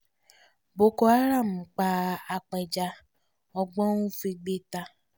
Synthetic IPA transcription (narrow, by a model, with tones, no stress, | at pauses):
bo˨ko˨a˦ɾa˦˨m̩˨k͡paː˨a˨k͡pe˨d͡ʒa˦ | ɔ˦ɡ͡bɔ˦ŋu˦fi˦ɡ͡be˦ta˦